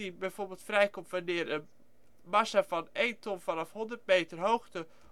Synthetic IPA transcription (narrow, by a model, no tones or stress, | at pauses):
ibɛjfoːrbelˠtfrɛjkomtʋanɪəɾən | masafɔneːntɔnfɔnɔfhɔndərt̚meːtərɦoːxtə